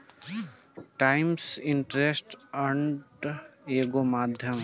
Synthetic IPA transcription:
ʈaːɪmsɪɳʈɾesʈɐɳʈeːɡomaːd̪ʱjəm

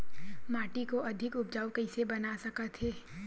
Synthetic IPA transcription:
maːʈikoʔɐd̪ʱɪkʊp̚d͡ʒaːwkɛɪsebɐnasɐkat̪ɦeː

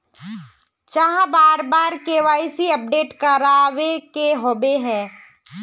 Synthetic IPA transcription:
t͡ʃaɦãbaːɾbaːɾkeʋaːisiɐp̚ɖeːʈkaɾaːʋekeɦoːbeɦɛ̃ː

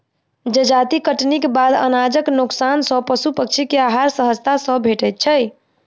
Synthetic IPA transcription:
d͡ʒed͡ʒat̪ikəʈnikebad̪ə̰nad͡ʒəknuksansə̃pəsupək̚t͡ʃʰikeaɦaɾsəɦəst̪ʰasə̃bʱeʈəjt̪̚t͡ʃʰəj

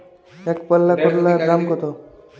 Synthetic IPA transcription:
ekpɔlːakɔʈlaɾamkɔt̪o

